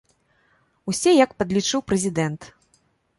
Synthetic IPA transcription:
usʲɛjɐkpɐd̪lʲit͡ʂɨwpɾɐzʲid̪ɛnt̪

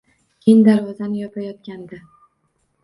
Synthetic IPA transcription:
kʲʰend̪aɾvɒzanɪjɒpajɒt̪̚kʲand̪a

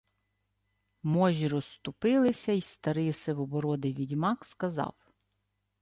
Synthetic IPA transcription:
mɔʒʲiɾɔst̪ʊpɪlˠɪsʲɐist̪ɐɾɪsɪwɔbɔɾɔd̪ɪʋʲidʲmɑkskɐzɑ̰w

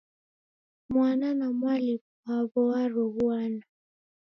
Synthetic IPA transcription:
mwananamwalip | aβɔaɾɔβuana

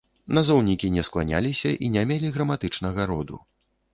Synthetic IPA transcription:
nɐzɔwnʲikʲinʲɛsklˠanʲa̰lʲisʲɐʔinʲamʲelʲiɣɾɐmat̪ɨt͡ʂnɐɣaɾɔd̪ṵ

